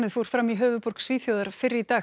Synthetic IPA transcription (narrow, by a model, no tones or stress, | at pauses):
nɪðfoːɾ̥fɾamːiɦœːvʏpɔɾ̥ksviːθjowðaɾ̥fɪɾɪɾit̪aː